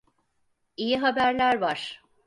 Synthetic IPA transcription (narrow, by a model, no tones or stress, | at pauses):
ijiɦabæɾlʲæɾvaɾ̥